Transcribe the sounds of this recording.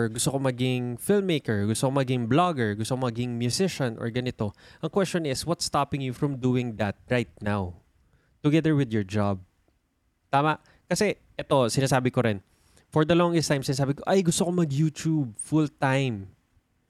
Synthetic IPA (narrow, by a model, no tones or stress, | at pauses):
ɹɡʊst̪okomɐɡɪŋfɪlmːejkɛɹɡʊst̪okomɐɡɪŋblaɡɛɹɡʊst̪okomɐɡɪŋmjʊsɪʃɐ̃nʔɔ̰ɹɡɐnɪt̪o̞ʔɐŋkwɛst͡ʃonɪswɐt̪st̪apɪ̃ŋjufɹɐmd̪uːɪ̃ŋd̪ɐt̪̚ɹajt̪̚naw | t̪ʊɡɛðəɹwɪd̪jɔɹd͡ʒab̚ | t̪aːmaʔ | kɐsɛ | ʔɛt̪o̞sɪnaːsaːbɪkoɾɪn | fɔɹd̪ɐlɔŋɡɛst̪ãjmsɪnaːsaːbɪkoʔajɡʊst̪okomɐɡjuːt̪ub̚fʊlt̪ajm